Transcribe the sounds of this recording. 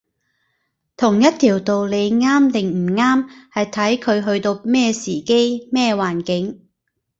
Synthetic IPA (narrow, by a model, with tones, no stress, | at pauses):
t̪ʰʊ˨˩ŋjɐ˥tt̪ʰiː˨˩wt̪o˨wle˨˧jŋaː˥mt̪ɪ˨ŋm̩˨˩ŋaː˥mhɐ˨jt̪ʰɐ˨˥jkʰɵ˨˧ɥɦɵ˧ɥt̪o˧wmɛː˥˧siː˨˩ke˥jmɛː˥˧waː˨˩nkɪ˨˥ŋ